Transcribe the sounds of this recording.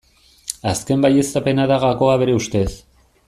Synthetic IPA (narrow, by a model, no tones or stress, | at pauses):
aske̞mbaje̞sape̞naðaɣako̞aβe̞ɾe̞ust̪e̞s